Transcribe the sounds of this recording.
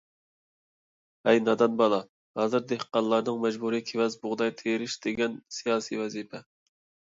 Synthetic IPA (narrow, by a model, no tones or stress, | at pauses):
ɛjnɑd̪ɑnbɑlˠɑ | hɑːzɨɾd̪ehqɑnlˠɑɾnɨŋmɛd͡ʒbuɾikʲʰevɛzbʊʁd̪ɑjt̪ʰeɾɪʃd̪eɡʲɛnsijɑːsivɛzipʰɛ